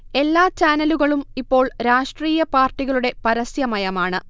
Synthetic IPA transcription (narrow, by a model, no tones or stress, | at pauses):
e̞lːaːt͡ɕaːnɐluɣɐɭumipːo̞ːɭɾaːʂʈriːjɐpaːrʈːiɣɐɭuɽe̞pɐɾɐsjɐmɐjɐmaːɳɨ